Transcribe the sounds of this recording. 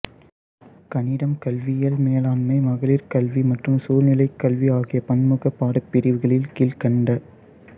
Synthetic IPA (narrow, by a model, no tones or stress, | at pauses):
kɐɳɪɽɐmkɐlʋɪjɐlmeːlaːnmɐɪmɐɣɐɭɪɾkɐlʋimɐʈrɯmsuːlnɪlɐɪkːɐlʋiaːɣɪjɐpɐnmɯɣɐpːaːɽɐpːɪɾɪʋɯɣɐɭɪlkiːlkɐɳɖɐ